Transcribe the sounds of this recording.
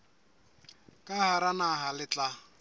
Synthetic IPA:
kʼahaɾanaɦalɪt͡ɬʼa

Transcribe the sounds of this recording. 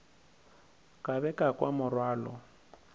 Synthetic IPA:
kʼaβɛkʼakʼwa̰mʊrwaːlɔ̰

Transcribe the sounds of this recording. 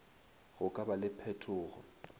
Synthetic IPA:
ɣʊkʼabalɪpʰɛtʰʊːɣɔ̰

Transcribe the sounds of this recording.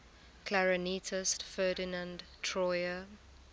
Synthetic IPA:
kʰlaɹənitʰɪstfɜːdɪnə̃ndtʰɹɔjə

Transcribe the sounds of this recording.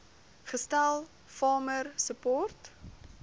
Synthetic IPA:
χəstælˠ | fɑːmərsəpɔrt

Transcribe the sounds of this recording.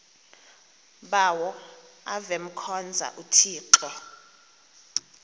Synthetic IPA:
ɓawɔ | avɛm̩kʰɔnd͡zʱa̰ʔutʰiːǃɛ

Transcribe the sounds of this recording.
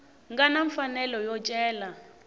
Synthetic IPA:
ŋɡanaɱfanɛlɔjɔt͡ʃʼɛːla

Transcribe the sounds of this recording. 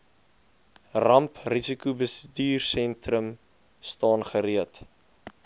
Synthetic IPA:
rɐmprisikubəsədiːrsɛntrəm | stɑːnχəɾiət

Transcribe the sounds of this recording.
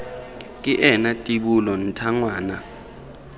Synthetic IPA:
kʼiʔɛnatʼiɓulɔn̩tʰaŋwaːna

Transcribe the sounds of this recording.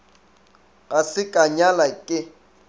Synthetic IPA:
asɪkʼaɲalakʼɪ

